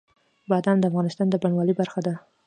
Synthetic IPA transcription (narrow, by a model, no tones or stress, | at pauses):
bɑd̪and̪əafɣɑnɪst̪ɑnd̪əbaɳwɑlibaɾxad̪a